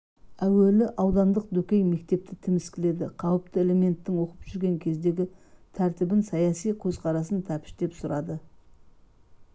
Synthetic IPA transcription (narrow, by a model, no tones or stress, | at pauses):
æwe̞lɪʔɑwd̪ɑnd̪əq̚d̪ɵkʲejme̞k̚t̪e̞p̚t̪ɪt̪ʰɪmɪskʲɪle̞d̪ɪqʰɑwəp̚t̪əe̞le̞me̞nt̪ːɪŋwo̞qəpʒ̥ʏɾɡʲe̞ŋkʲʰe̞zd̪e̞ɡʲɪt̪ʰæɾt̪ɪbɪnsɑjɑsijkʲʰɵzqʰɑɾɑs̬ənt̪ʰæpɪ̥ʃd̪e̞psʊɾɑd̪ə